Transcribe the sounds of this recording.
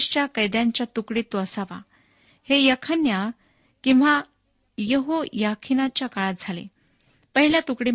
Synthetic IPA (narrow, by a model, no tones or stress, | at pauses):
ɕt͡ɕjakəjd̪jãɲt͡ɕjat̪ukɽiːt̪ːoəsaʋa̰ | hejəkʰənja | kĩw̃ʋa | jəɦojakʰinat͡ɕjakaɭat̪̚d͡zʱalḛ | pəɦiljat̪ukɽi